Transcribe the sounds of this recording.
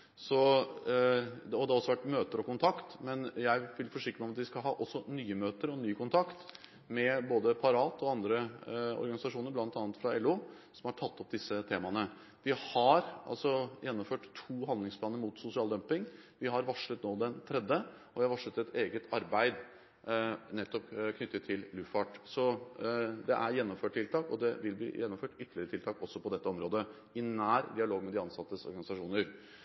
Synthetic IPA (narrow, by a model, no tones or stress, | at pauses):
sɔ | d̪ɔd̪ɛɔsːɔʋæʈːmøːt̪əɾɔkʊnt̪ʰɑkt̪mɛnjæɪʋɪlfɔʂɪkːɾəmæɛɔmɑt̪ʋɪskɑlɦɑ̰ːʔɔsːɔnyːəmøːt̪əɾɔnyːəkʊnt̪ʰɑkt̪ | mɛboːd̪əpʰɑɾɑːt̪ɔɑnd̪ɾəɔ̰ɾɡɑnɪsɑʂuːnəɾblɑnt̪ɑːnət̪fɾɑɛlːuː | sɔmhɑʈʰɑt̪ːɔp̚d̪ɪsət̪ʰeːmɑnə | ʋɪhɑɾʔɑ̰lsɔjɛnːɔmføːʈt̪ʰuːɦɑnd̪lɪŋspʰlɑːnəɾmuːt̪sʊsɪɑːld̪œmpɪŋʋɪɦɑɾʋɑʂɭət̪noːd̪ɛnt̪ʰɾɛd̪ːə | ɔʋɪhɑɾʋɑʂət̪ɛt̪ʰeːɡət̪ʰɑɾbæɪd̪ | nɛt̪ːɔpkʰnʏt̪ːət̪ʰːɪllʉfɑʈsɔ | d̪ɛʔæɾjɛnːɔmføːʈ̪̚ʰɪlt̪ʰɑːkɔd̪ɛʋɪlblḭːjɛnːɔmføːʈʏt̪əlɪəɾt̪ɪlt̪ʰɑːkɔsːɔpʰɔd̪ɛt̪ːəɔmɾoːd̪ə | ɪnæːɾd̪ɪɑloːɡmɛd̪ɪɑnsɑt̪ːəsɔ̰ɾɡɑnɪsɑʂuːnəɾ